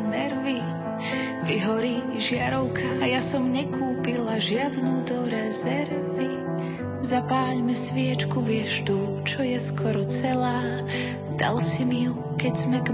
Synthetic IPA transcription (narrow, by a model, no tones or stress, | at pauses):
nɛɾʋi | piɦɔɾi | ʒɪaɾɔʊkʰaːjasɔmɲɛkuːpilaʒɪad̪nud̪ɔɾɛzɛɾ | ʋi | zapaːʎmɛsʋɪɛt͡ʃkuʋɪɛʒd̪u | t͡ʃɔjɛskʰɔɾɔt͡sɛlaː | d̪̥a̰lsimiju | kɛɟz̥mɛɡ